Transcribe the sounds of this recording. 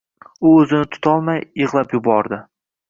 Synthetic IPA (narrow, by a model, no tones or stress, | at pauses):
ʊɵzɪnɪt̪ʰʊ̥t̪ʰɒlˠmajɨʁlˠapjʊbɒɾd̪ɪ